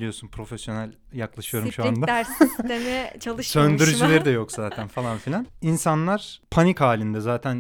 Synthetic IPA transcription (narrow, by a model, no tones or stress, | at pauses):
lʲijo̞ɾsunpʰɾo̞fesjo̞nælʲ | jaklˠaʃɯjo̞ɾumʃuand̪aɾst̪emejɛt͡ʃʰalˠɯʃsønd̪yɾyld͡ʒilʲeɾid̪ɛjo̞kzaːt̪ʰænfalˠanfilʲaninsanlˠaɾ̥pʰanikhaːlʲind̪ɛzaːt̪ʰæn